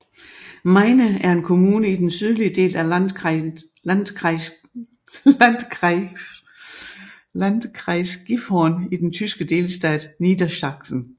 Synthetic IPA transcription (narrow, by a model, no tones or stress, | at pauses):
mɑɪnəæɐe̝nkʰo̝muːnəid̥ensyð̞ˠlid̥e̝̰ːlæ | n | nd̥ | ænd̥kʰʁɑɪsɡ̥ifhɒːnid̥ent͡sʰysɡ̥əd̥e̝ːlsd̥ɛ̰ːd̥nid̥ɐɕɑ̈ɡ̥sn̩